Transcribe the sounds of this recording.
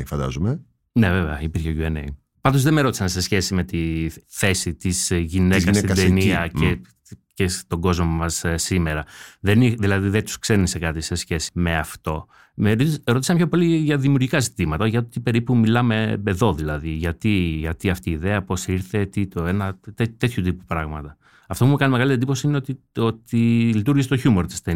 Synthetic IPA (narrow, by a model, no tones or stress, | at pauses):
fɐnd̪ɐ̰zume | ne̞veveɐipiɾçeʝuenḛi | pɐnd̪ozðemeɾo̞t̪isɐnse̞sçe̞sime̞t̪iθe̞sit̪izsʝinekɐst̪id̪eniɐe | cest̪o̞ɡo̞zmo̞mɐssime̞ɾɐðeniðilɐðiðet̪u̥sksenisekɐt̪ise̞sçe̞si̥me̞ɐft̪o̞ | meɾoisɐmpçopo̞liʝɐðimiuɾʝikɐzit̪imɐt̪ɐʝɐt̪ot̪ipe̞ɾipumilɐme̞eðo̞ðilɐðiʝɐt̪iʝɐt̪iɐft̪iːðe̞ɐpo̞siɾθe̞t̪it̪oe̞nɐt̪et̪e̞t̪çut̪̬ipupɾɐɣmɐt̪ɐ | ɐft̪o̞pumukɐnimeɣɐlit̪ed̪ipo̞siineot̪io̞t̪ilit̪uɾʝiset̪oçumo̞ɾt̪i̥st̪e